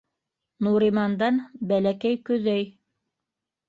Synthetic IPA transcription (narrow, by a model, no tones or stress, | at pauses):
nuɾimɑnd̪ɑnbælækæjkɵ̆ðæj